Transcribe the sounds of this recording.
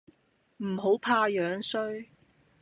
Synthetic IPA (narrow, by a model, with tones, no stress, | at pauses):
m̩˨˩ɦo˨˥wpʰaː˧jœː˨˧˥ŋsɵ˥ɥ